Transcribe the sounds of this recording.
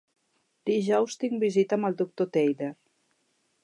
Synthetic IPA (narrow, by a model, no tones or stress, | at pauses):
d̪iʒɔwst̪iŋbizit̪əməlˠd̪uk̚t̪ot̪ejleɾ